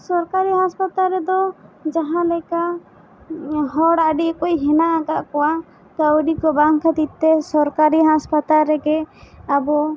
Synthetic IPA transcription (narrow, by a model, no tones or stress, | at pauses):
sɔɾkaɾiɦaspat̪alɾɛd̪ɔd͡ʒaɦãlɛka | ɦɔɽaɖiʔkɔcɦɛnaʔaɡaʔkɔwa | k̪əwɖikɔbaŋkʰad̪it̪̚t̪ɛsɔɾkaɾiɦãspat̪alɾɛɡɛabɔ